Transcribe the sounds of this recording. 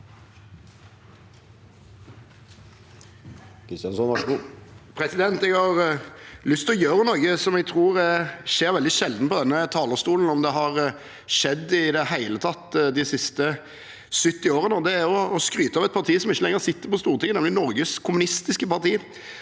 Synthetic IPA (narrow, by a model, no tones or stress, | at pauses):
kʰɾɪst̪jɑnsɔn | pʰɾɛsɪd̪ɛnt̪ɛɡhɑʁlʏst̪ʰɔjøːɾənɔɾɡəsɔmɛɡ̚t̪ʰɾuːɾʂeːɾʋɛld̪ɪʃɛld̪n̩pɔd̪ɛnːət̪ʰɑːləɾst̪uːln̩ɔmd̪ɛɦɑʁ | ʂɛd̪ːɪd̪ɛhæɪlət̪ʰɑt̪ːd̪ɪsɪst̪ə | sʏt̪ːɪoːɾənɔd̪ɛæɔːskɾyːt̪əɑːʋɛt̪̚pʰɑʁt̪ʰiːsɔmɪçːəlɛŋːəʁɾsɪt̪ːəɾpɔst̪uːʁt̪ʰɪŋənɛmlɪnɔɾɡəskʰʊmʉnɪst̪ɪskəpɑʁt̪ʰiː